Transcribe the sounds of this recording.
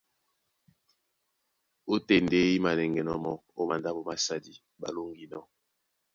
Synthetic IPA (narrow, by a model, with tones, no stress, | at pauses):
o˦te˨nde˦i˦ma˨nɛ˨ŋɡɛ˨nɔ˦mɔ˨o˦ma˨nda˦bo˦ma˨sa˦di˦ | ba̰˨lo˦ŋɡi˦nɔ˦